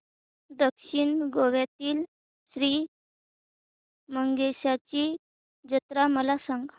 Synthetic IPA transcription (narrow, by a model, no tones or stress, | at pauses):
d̪əkʂiɳɡoʋjat̪iːl | ɕɾiː | məŋɡeɕat͡ɕiː | d͡ʑət̪ɾaməlasaŋɡ